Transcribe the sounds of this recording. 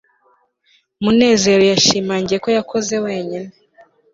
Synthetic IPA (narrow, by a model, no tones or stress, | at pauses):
mune̞ːze̞ɾo̞jaʃiːmaːɲɟieko̞jakʰo̞ze̞we̞ːɲine